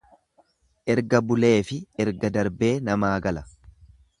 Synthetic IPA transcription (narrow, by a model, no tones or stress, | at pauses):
ʔɛɾɡɐbʊle̞ːfɪɛɾɡɐd̪ɐɾbe̞ːnɐmaːɡɐlɐ̥